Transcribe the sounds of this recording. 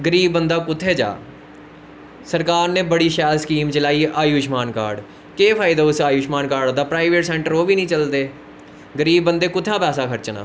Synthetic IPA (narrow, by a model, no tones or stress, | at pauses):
ɡəɾiːbːənd̪aːkʊt̪ʰːeːd͡ʒa̰ː | səɾkaːɾnẽːbəɽiːʃɛːlskiːmt͡ʃəlaːiːʔaːjuːʃmaːnkaːɾɖ | keːpʰaːɪd̪aːʊsaːjuːʃmaːnkaːɾɖd̪aːpɾaːɪʋeːʈsɛ̃ːɳʈəɾoːʋiːnĩːt͡ʃəld̪eː | ɡəɾiːbːənd̪eːkʊt̪ʰːãːpɛːsaːkʰəɾt͡ʃna̰ː